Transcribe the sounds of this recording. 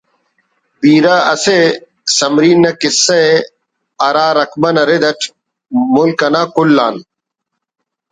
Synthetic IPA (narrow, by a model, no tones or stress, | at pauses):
biːɾaːɐse | sɐmɾiːnːɐkɪsːe | ɐɾaːɾɐkmɐnɐɾed̪ɐʈʰ | mʊlkɐnaːkulːaːn